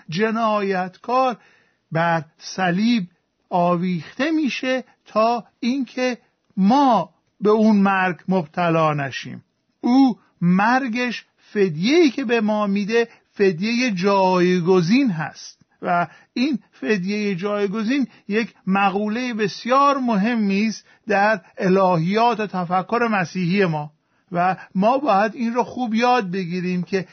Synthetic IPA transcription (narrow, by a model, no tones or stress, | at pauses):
d͡ʒe̞nɒːjæt̪ʰkʰɒːɾ | bæɾsæliːb | ɒːviːxt̪e̞miːʃe̞ | t̪ʰɒː | inkʰe̞ | mɒː | be̞unmæɾɡmobt̪ʰælɒːnæʃḭːm | uː | mæɾɡeʃ | fe̞d̪je̞iːcʰe̞bemɒːmid̪e̞ | fe̞d̪jeje̞d͡ʒɒːjɡoziːnɦæ̰st̪ | væ | iːn | fe̞d̪je̞jed͡ʒɒːjɡo̞ziːn | je̞cʰmæɣuːle̞jebe̞sjɒːɾmoɦe̞mːiːst̪ | d̪æɾelɒːhijɒːt̪ʰot̪ʰæfækʰːo̞ɾe̞mæsiːhije̞mɒː | væmɒːbɒːjæd̪iːnroːxuːbjɒːd̪̚be̞ɡiːɾiːmcʰe̞